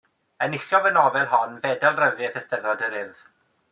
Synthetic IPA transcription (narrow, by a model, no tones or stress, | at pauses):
ənɪɬɔvənɔvɛlˠɦɔnvɛdɛlˠrəvɪəθəstɛðɔdəɾɪð